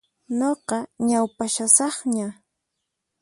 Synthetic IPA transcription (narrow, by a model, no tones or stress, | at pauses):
noqɑɲawpaʃasɑχɲa